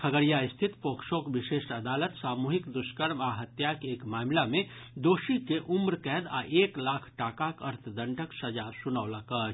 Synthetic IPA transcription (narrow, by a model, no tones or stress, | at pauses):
kʰəɡəɾjaɪst̪ʰɪt̪poːkʃoːkbɪʃeːʃɐd̪aːlət̪saːmuːɦɪkd̪ʊʃkəɾmaɦət̪jakeːkmaːmlamẽd̪oːʃikeʔʊmɾkɛɦd̪a̰ʔeːklaːkʰʈaːkakəɾt̪ʰd̪ə̃ɳʈəksəd͡ʒaːsʊnawlɐkə